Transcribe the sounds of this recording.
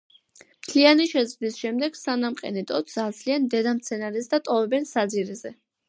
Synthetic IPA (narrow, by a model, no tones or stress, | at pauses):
mt̪ʰlianiʃɛd̪zd̪isʃɛmd̪ɛɡ̥sanamqʼɛ̰nɛt̪ʼɔt̪sad̪zliand̪ɛd̪amt̪sʰɛnaɾɛsd̪at̪ʼɔvɛbɛnsad̪ziɾɛzɛ